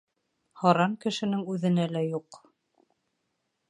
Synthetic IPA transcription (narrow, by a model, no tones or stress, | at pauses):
hɑɾɑŋkɘ̆ʃɘ̆nɘŋʉðɘ̆nælæjuq